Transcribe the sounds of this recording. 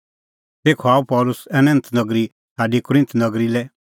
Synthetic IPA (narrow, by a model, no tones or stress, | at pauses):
t̪eːkʰoaːupɔːlʊsɛnɐ̃nt̪nɐɡɾi | sʰaːɖikʊɾɪ̃nt̪nɐɡɾilɛ